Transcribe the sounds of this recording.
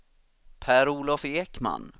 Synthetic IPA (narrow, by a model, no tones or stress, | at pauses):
pʰæːɾuːlɔfeːkma̰n